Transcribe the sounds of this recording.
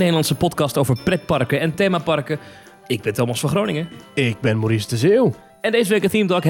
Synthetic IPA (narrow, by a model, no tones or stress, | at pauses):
nedəlɑntsəpɔtkɑstowvəɹprɛt̚pɑrkəɛntejmapɑrkə | ɪɡ̚bɪntomɔsfɔχroːnɪŋəɪɡ̚bɪnmoɾisdəzew | ɛndejzəʋekəθimdɔkɦ